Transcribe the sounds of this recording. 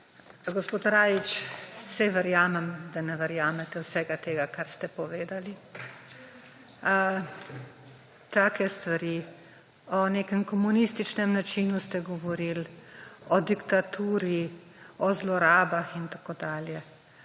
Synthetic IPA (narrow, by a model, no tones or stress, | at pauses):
ɡospoːt̪ɾaːjit͡ʃsɛʋəɾjaːmɛmd̪anɛʋəɾjaːmɛt̪ɛwsɛɡat̪eːɡakaɾst̪ɛpɔʋeːd̪ali | t̪aːkɛst̪ʋaɾi | ɔnekɛmkɔmunist̪it͡ʃnɛmnat͡ʃiːnust̪ɛɡɔʋɔɾilɔd̪ikt̪at̪uːɾi | ɔzlɔɾaːbaxint̪akoːd̪aːljɛ